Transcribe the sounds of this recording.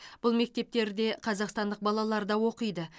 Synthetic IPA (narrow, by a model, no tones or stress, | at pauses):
b̥ʊlˠme̞k̚t̪e̞p̚t̪e̞ɾd̪e̞qʰɑzɑqst̪ɑnd̪əq̚bɑlˠɑlˠɑɾd̪ɑwo̞qəjd̪ə